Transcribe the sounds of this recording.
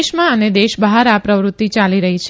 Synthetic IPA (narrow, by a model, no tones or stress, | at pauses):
ʃmãəned̪eʃbəɦaɾapɾəʋɾʊtt̪ːit͡ʃaliɾəɦit͡ʃʰ